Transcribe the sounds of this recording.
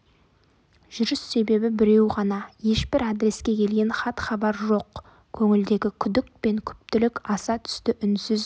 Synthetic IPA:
ʒʏɾʏsːe̞be̞bɪbɪɾe̞wʁɑnɑje̞ʃbɪɾad̪ɾe̞skʲe̞kʲʰe̞lɡʲe̞nχɑt̪χɑbɑɾʒo̞q | kʲʰɵŋɪld̪e̞ɡʲɪkʲʰʏd̪ɪk̚pe̞ŋkʲʰʏ̥p̚t̪ɪlɪkɑsɑt̪ʰʏ̥st̪ɪʔʏnsɪz

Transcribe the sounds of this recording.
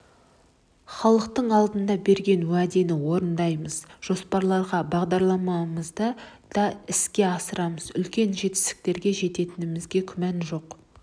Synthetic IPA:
χɑlˠəqt̪əɴɑlˠd̪ənd̪ɑbe̞ɾɡʲe̞nwæd̪e̞nɪwo̞ɾənd̪ɑjməzʒ̥o̞spɑɾlˠɑɾʁɑbɑʁd̪ɑɾlˠɑmɑməzd̪əd̪̥ɑɪskʲe̞ɑsəɾɑməzʏlkʲe̞nʒe̞t̪ɪ̥st̪ɪ̥k̚t̪e̞ɾɡʲe̞ʒe̞t̪e̞t̪ɪnɪmɪzɡʲe̞kʲʰʏmænʒo̞q

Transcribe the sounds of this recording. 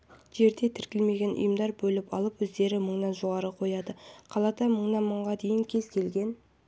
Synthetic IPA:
ʒ̥e̞ɾd̪e̞t̪ʰɪɾkʲɪlme̞ɡʲe̞nʔʊ̰jəmd̪ɑɾbɵlɪpɑ̰lˠəpwɵzd̪e̞ɾɪməɴnɑnʒo̞ʁɑɾəqʰo̞jɑd̪əqʰɑlˠɑt̪ɑməɴnɑnməɴʁɑd̪e̞jɪŋkʲʰe̞z̥kʲʰe̞lɡʲe̞n

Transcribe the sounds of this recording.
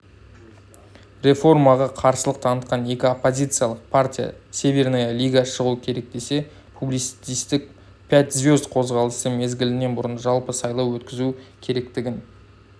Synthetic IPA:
ɾe̞fo̞rmɑʁɑqʰɑɾsəlˠəqt̪ʰɑnət̪̚qɑne̞kʲɪopːo̞zʲijt̪sɨjalˠəq̚pʰartʲija̰sʲe̞vʲernajalʲijɡaʃəʁuəkʲʰe̞ɾe̞k̚d̪e̞se̞ | pʰublij̪st̪ist̪ɪk̚ | pʰʲæt̪zvʲo̞zqʰo̞zʁɑlˠəsəme̞zɡʲɪlɪne̞nbʊɾənʒɑlˠpəsɑjlˠɑwwɵt̪kʲɪzukʲʰe̞ɾe̞k̚t̪ɪɡʲɪn

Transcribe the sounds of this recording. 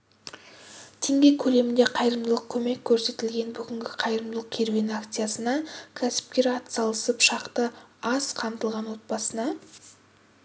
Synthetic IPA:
t̪ʰeŋɡʲe̞kʲʰɵle̞mɪnd̪e̞qʰɑjɾəmd̪əlˠəq̚kʲʰɵme̞kʲʰːɵɾse̞t̪ɪlɡʲe̞nbʏɡʲɪŋɡʲɪqʰɑjɾəmd̪əlˠəq̚kʲʰe̞ɾvinakt̪sɨjasənɑkʲʰæsɪ̥p̚kʲe̞ɾɑt̪sɑlˠəsəpʃɑqt̪əɑsqʰɑmt̪əlˠʁɑnwo̞t̪̚bɑsənɑ

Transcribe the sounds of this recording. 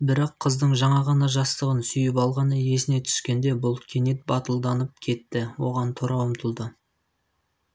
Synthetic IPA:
bɪɾɑqʰːəzd̪əɴʒɑɴɑʁɑnɑʒɑst̪əʁənsʏjɪpɑlˠʁɑnəje̞sɪne̞t̪ʰʏ̥ʃkʲe̞nd̪e̞bʊlˠkʲʰe̞net̪̚bɑt̪əlˠd̪ɑnəp̚kʲʰe̞t̪ːɪwo̞̰ʁɑnt̪ʰoɾɑwəmt̪ʰəlˠd̪ə

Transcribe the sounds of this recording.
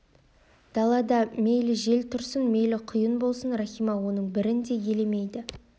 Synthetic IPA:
d̪̥ɑlˠɑd̪ɑme̞jlɪʒe̞lt̪ʰʊɾsənme̞jlɪqʰʊjənbo̞lˠsənrɑχijmɑwo̞nəɴbɪɾɪnd̪e̞je̞lemejd̪ɪ

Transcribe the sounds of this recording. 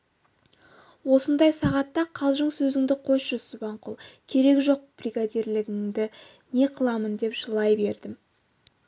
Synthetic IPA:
wo̞sənd̪ɑjsɑʁɑt̪ːɑqʰɑlˠʒəɴsɵzɪŋd̪ɪqʰo̞jʃʃəsbɑɴqʰʊlˠkʲʰe̞ɾe̞kʒo̞q̚b̥riɡad̪iɾlɪɡʲɪŋd̪ɪ | ne̞qʰəlˠɑmənd̪e̞pʒ̥əlˠɑjbe̞ɾd̪ɪm

